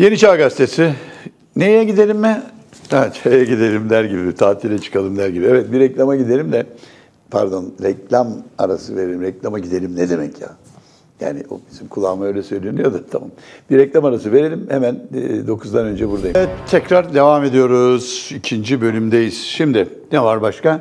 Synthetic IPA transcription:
je̞niʃaɡast̪ʰesɪ | nejjɛɟid̪e̞lʲimːɛ | at͡ʃʰejɛɟid̪e̞lʲimd̪æɾɟibit̪ʰaːt̪ʰiɾɛt͡ʃʰɯ̥kʰalˠɯmd̪æɾɟibievɛt̪̚biɾɛclʲamaɟid̪e̞lʲimd̪ɛ | pʰæ̰ɾd̪o̞nɾɛclʲamaɾasɯve̞ɾeimɾɛclʲamaɟid̪e̞lʲimnɛd̪e̞mɛcʰja̰ | ja̰ːnɪ̰o̰bisimkʰulˠːaːmajø̞jlʲɛsø̞jlʲenyjo̞d̪at̪ʰamamb̥iɾɛclʲamaɾasɯve̞ɾelʲimhemænd̪o̞kʰuzd̪anø̞nd͡ʒɛbuɾd̪ajvɛt̪ʰːɛcɾaɾd̪e̞vame̞d̪ijo̞ɾuz̥icʰind͡ʒibø̞lʲymd̪ejiz̥ʃimd̪ɪnɛvaɾbaʃka

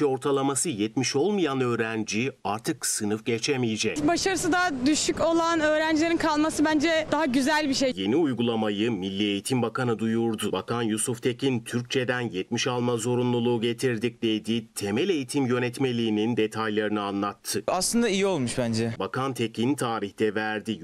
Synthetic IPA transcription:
io̞ɾt̪ʰalˠamasɯjɛt̪miʃo̞lˠmɯjanø̞ːɾænd͡ʒiaɾt̪ʰɯksɯnɯfɟet͡ʃʰemijid͡ʒɛcbaʃaɾɯsɯd̪ad̪yʃyco̞lˠanøːɾænd͡ʒilʲeɾinkʰalˠmasɯbænd͡ʒɛd̪aɦaɟyzælʲbiʃejje̞niujɡulˠamajɯmilʲːie̞jit̪ʰimbakʰanɯd̪ujuɾd̪ʊbakʰanjusuft̪ʰe̞cʰint̪ʰyɾc̚t͡ʃʰe̞d̪ænjɛt̪miʃalˠmazo̞ɾunlˠulˠuːɟe̞t̪ʰiɾd̪ic̚d̪e̞jd̪it̪ʰe̞mɛlʲe̞jit̪ʰimjø̞nɛt̪me̞lʲiːnind̪e̞t̪ʰajlˠaɾɯnɯanlˠat̪ʰːɯaslˠɯnd̪aijio̞lˠmuʃbænd͡ʒɛbakʰant̪ʰe̞cint̪ʰaːɾiçt̪ɛvæɾd̪i

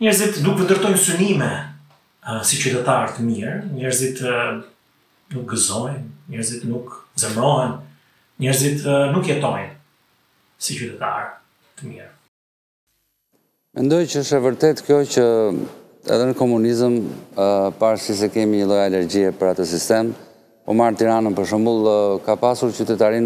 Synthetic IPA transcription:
ɲɛɾzit̪d̪ukvənd̪əɾt̪ɔjnsynimɛ | sit͡ɕyt̪ɛt̪aɾt̪əmiɾɲɛɾzit̪ | nuk̚ɡəzɔjnɲɛɾzit̪nukd͡zɛmɾɔɦɛn | ɲɛɾzit̪nukjɛt̪ɔjn | sit͡ʃyt̪ɛt̪a̰ɾ | t̪əmiɾ | mɛnd̪ɔjcəəʃɛvəɾt̪ɛt̪kjɔcə | ɛ̰ðɛnəkɔmunizəm | paɾsis̬ɛkɛmiɲəlˠɔjalɛɾɟiɛpəɾat̪əs̬ist̪ɛm | pɔ̰maɾt̪iɾanənpəɾʃ̬əmbulˠkapasuɾt͡ɕyt̪ɛt̪aɾin

